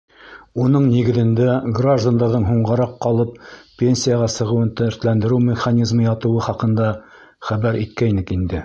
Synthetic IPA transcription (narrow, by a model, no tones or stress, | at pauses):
unɤɴniɡɘ̆ðɘ̆nd̪æɡraʒd̪and̪ɑɾðɤɴɦuɴʁɑɾɑqːɑlˠɤppʲːenʲsʲijaʁɑsɤ̆ʁɤ̆wɤnt̪æɵ̆ɾt̪lænd̪ɘ̆ɾɘwmʲɪχanʲizmɤjɑt̪ɤ̆wɤχɑqɤ̆nd̪ɑ | χæβæɾʔit̪̚kæjnɘkind̪ɘ